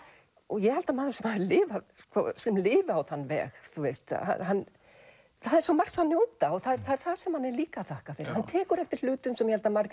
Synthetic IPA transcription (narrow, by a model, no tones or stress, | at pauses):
ɔɣjɛhalt̪amaːðasɛmhaðlɪːvaskvɔ̰sɛmlɪːvɪawθanːvɛ̰ːxθuest̪ha̰ɦanː | θaðɛɾ̥sɔmar̥sanjowt̪aɔɣθaðɛɾθaðɛɾ̥θaðsɛmhanːɛɾliːkaθahkafɪɾɪhant̪ʰɛːkʏɾɛft̪ɪɾ̥l̥ʏːt̪ʏmsɛmjɛhalt̪amaɾk